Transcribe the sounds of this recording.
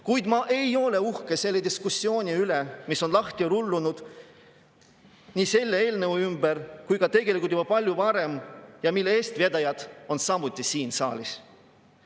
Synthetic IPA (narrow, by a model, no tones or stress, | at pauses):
kujd̪mɑʔe̞jo̞le̞uhkese̞lːed̪iskusːio̞ːnʲiylemiso̞nlɑht̪iɾulːunud̪̥ | niːse̞lːeeːlnevuymbeɾkujkɑt̪e̞ɡ̥e̞lʲikult̪jub̥ɑpɑlʲjuvɑɾe̞mjɑmilːeeːst̪ved̪ɑjɑd̪̥o̞nsɑmut̪ʲːˑisiːnsɑ̰ːlʲis